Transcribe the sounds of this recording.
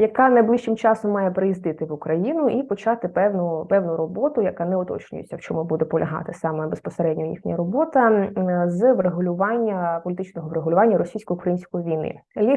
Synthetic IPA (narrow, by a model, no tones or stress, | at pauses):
jɐkɑnɐjblˠiʃt͡ʃɪmt͡ʃɑsɔmːɑjɛpɾɪjizd̪ɪt̪ɪʋʊkɾɐjinʊʔipɔt͡ʃɑt̪ɪpɛwnʊpɛwnʊɾɔbɔt̪ʊjɐkɑnɛɔt̪ɔ̰t͡ʃnʲʊ̰jḛt͡sʲːɐwt͡ʃɔmʊbud̪ɛpɔlʲɐɦɑ̰t̪ɪsɑmɛbespɔseɾɛdʲnʲɔjḭxnʲɐɾɔbɔt̪ɐzʋreɦʊlʲʊʋɑnʲːɐpɔlʲit̪ɪt͡ʃnɔɦɔʋreɦʊlʲʊʋɑnʲːɐɾɔsʲijsʲkɔjʊkɾɐjinʲsʲkɔjiʋʲijnɪ̰lʲi